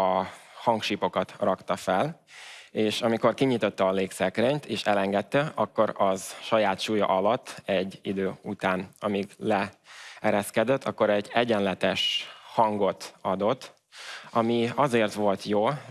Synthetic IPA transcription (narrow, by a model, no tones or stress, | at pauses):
ɒhɒŋkʃiːpo̞kɒt̪rɒkt̪ɒfɛl | eːʃɒmiko̞rkiɲit̪o̞t̪ːɛːleːksɛkreɲt̪eːʃɛlɛŋɡɛt̪ːɛɒkːo̞ɾɒzʃɒjaːt̪ʃuːjɒ̰ʔɒlɒt̪ːɛɟːid̪øːut̪aːnɒmiɡlɛɛɾɛskɛd̪ɛt̪ːɒkːo̞ɾɛɟːɛɟɛnlɛt̪ɛʃhɒŋɡo̞t̪ɒd̪o̞t̪ː | ɒmiɒzeːrt̪ʋo̞lt̪joː